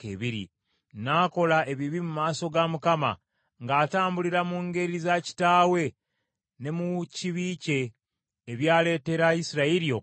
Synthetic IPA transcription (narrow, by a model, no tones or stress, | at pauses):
keβiɾḭ | naːko̞lae̞βiβimumaːso̞ɡamukama̰ | ŋɡaːtaːmbuliɾamuŋɡe̞ɾizaci̥taːwe̞ | ne̞muciβiːce̞ː | βjaːle̞ːte̞ɾaisiɾaiɾijo